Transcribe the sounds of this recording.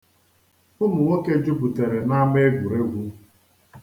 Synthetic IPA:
ʊ˦mʊ˨ŋo˦ke˦d͡ʒʊ˦bu˨te˨ɾe˨na˦me˦e˦ɡʷu˨ɾe˦ɡʷu˦

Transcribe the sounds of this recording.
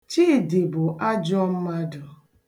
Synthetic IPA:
t͡ʃi˦˨di˨bʊ˨ʔa˦d͡ʒɔ˦m̩˦ma˦dʊ˨

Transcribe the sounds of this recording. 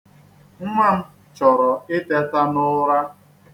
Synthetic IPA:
ŋ̩˦ŋʷa˦m̩˦ | t͡ʃɔ˨ɾɔ˨ɪ˦te˦ta˦nʊ˦ɾa˦

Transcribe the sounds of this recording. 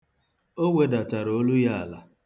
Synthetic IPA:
o˦ŋʷe˦da˨ta˨ɾo˦lu˦ja˦a˨la˨

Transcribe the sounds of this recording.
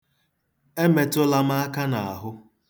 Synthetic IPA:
e˦me˨tʊ˦la˦m̩˦a˦a˦ka˦na˨a˨ɦʊ˦

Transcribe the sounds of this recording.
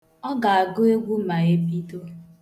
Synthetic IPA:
ɔ˦ɡa˨a˨ɡʊ˦e˦ɡʷu˦ma˨e˦pi˦to˦

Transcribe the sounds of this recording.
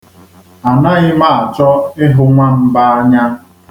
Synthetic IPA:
a˨na˦ɣɪ˦ma˦˨a˨t͡ʃɔ˦ɪ˦ɦʊ˦ŋʷa˦m̩˦ba˦a˦ɲa˦

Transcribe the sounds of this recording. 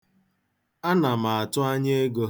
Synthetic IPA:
a˦na˨ma˨a˨tʊ˦a˦ɲe˦e˦ɡo˦

